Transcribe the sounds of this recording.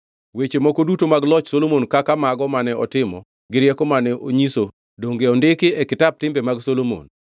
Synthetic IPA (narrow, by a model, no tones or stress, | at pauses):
wet͡ʃemɔkodutomaɡlɔt͡ʃsolomonkakamaɡɔmanɛɔtɪmɔ̰ | ɡɪɾjɛkɔmanɛʔoɲiso | doŋɡeɔndɪkɪɛkɪtab̚tɪmbɛmaɡsolomo̰n